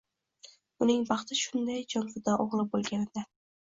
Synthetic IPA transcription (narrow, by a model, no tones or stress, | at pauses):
ʊnɪŋbɑχt̪ʰɪʃʊnd̪ajd͡ʒɒnfɪd̪ɒʔoʁlˠɪbolˠɡʲanɪd̪a